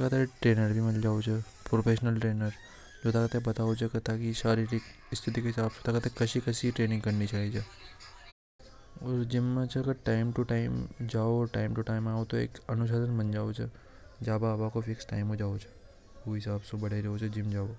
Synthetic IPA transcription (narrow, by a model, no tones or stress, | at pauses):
kat̪eʈɾeːnəɾbʱimɐnd͡ʒaːot͡ʃʰə | pɾoːpʰeːʃnəlʈɾeːnəɾ | d͡ʒoːt̪ʰakət̪ebɐt̪aːot͡ʃʰɐkɐt̪akisaːɾiɾi | ɪst̪ʰɪt̪ikeɦɪsaːbsõt̪akət̪ekɐʃikɐsiʈɾeːnɪ̃ŋɡkɐɾnit͡ʃaːɦid͡ʒʰe | oɾd͡ʒɪmːãt͡ʃʰɐɡɐɾʈaːɪmʈuʈaːɪmd͡ʒaːoːɾʈaːɪmʈuʈaːɪmaːot̪oḛːkɐnʊʃ̬aːd̪ənmɐnd͡ʒaːot͡ʃʰə | d͡ʒaːbabaːkofʰeːksʈa̰ːɪmɦod͡ʒaːot͡ʃʰə̥ | oɦɪsaːbsõbɐɽeɾeɦot͡ʃʰed͡ʒɪmd͡ʒaːo